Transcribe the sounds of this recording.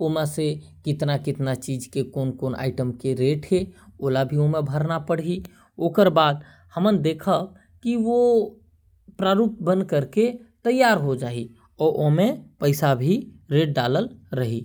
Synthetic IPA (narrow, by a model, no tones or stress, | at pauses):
omẽsekɪt̪nakɪt̪nat͡ʃiːd͡ʒkekoːnkoːna̰ːɪʈəmkeɾeːʈɦeolabʱiomẽbʱəɾnapəɽ̤i | oːkəɾbaːd̪ | həmənd̪eːkʰə | kiʋo | pɾaɾup̚bə̃nd̪kəɾket̪əjːaɾɦod͡ʒaːi | ɔːɾʔomẽpəɪsabʱiɾeːʈ̚ɖaləlɾəɦi